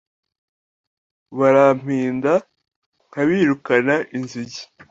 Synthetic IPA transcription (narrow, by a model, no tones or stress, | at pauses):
βaɾam̥iːnda | ŋ̥aβiːɾukanaʔinziɟi̥